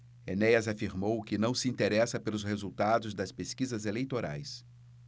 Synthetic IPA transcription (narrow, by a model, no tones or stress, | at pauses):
enejɐzafiɾmowkɪnɐ̃w̃sɪĩnt̪eɾɛsɐpelʊshezuwt̪ad̪ʊzd̪ɐspeskizɐzelejt̪oɾa̰js